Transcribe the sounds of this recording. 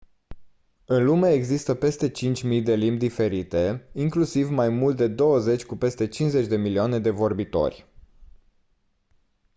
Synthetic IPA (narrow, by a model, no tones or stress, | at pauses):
ɨnlume̞eɡzist̪əpe̞st̪e̞t͡ʃint͡ʃʲmijd̪e̞limbd̪ife̞ɾit̪e̞iŋklusivmajmult̪̚d̪e̞d̪o̞wəze̞t͡ʃʲkupe̞st̪e̞t͡ʃinze̞t͡ʃʲd̪e̞milioane̞d̪e̞vo̞rbit̪o̞̰rʲ